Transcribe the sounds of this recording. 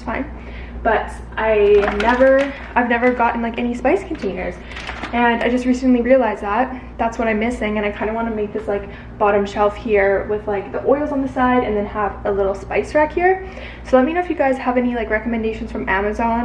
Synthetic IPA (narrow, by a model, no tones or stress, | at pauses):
sfãɪ̃n | b̥ʌɾ | ʔaɪnɛvə˞ | ʔaɪvnɛvə˞ɡɑʔn̩laɪkɛnispaɪskʰn̩tʰẽɪ̃nə˞z̥ | ɨ̃na̰ɪd͡ʒʌst̚ɹisɨ̃n̩liɹiɨlaɪzðæt̚ | ðætswʌɾãɪ̃mɪsɪ̃ŋɨ̃ɾ̃aɪkʰãɪ̃ndəwɑ̃nɨmeɪk̚ðɪslaɪk | b̥ɑɾɨ̃mʃɛlˠfhiɹwɪð̥laɪk̚ðiʔɔɪlˠzn̩ðɨsaɪɾɨ̰̃nðɨ̃nəvəlɪɾl̩ˠspaɪstɹ̥ækhiɹ | soʊlɛt̚minoʊɨfjɨɡaɪz̥əvɛnilaɪkɹɛkəmɨ̃ndeɪʃn̩z̥fɹʌ̃mʔæmɨzɑ̃n